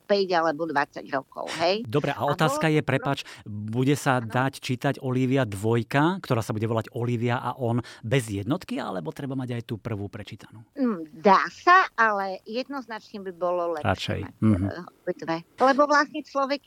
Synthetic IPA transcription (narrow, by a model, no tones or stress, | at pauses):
pɛɟalɛbɔd̪ʋat͡sːa̰ɟɾɔkɔ̰ʊɦɛjd̪ɔbɾɛʔaɔt̪aːskajɛpɾɛpaːt͡ʃbuɟɛsad̪act͡ʃiːt̪aɟɔliʋɪad̪ʋɔjkakt̪ɔɾaːsabuɟɛʋɔlaɟɔliʋɪaʔa̰ʔɔnbɛzjɛd̪nɔt̪kia̰lɛbɔt̪ɾɛbamaɟajt̪uːpr̩ʋuːpɾɛt͡ʃiːt̪anuːn̩d̪aːsaalɛjɛd̪̚nɔznat͡ʃɲɛbibɔlɔlɛɾa̰t͡ʃɛ̰jm̩ːɦɔbit̪ʋɛlɛbɔʋlasɲɛt͡ʃlɔʋɛk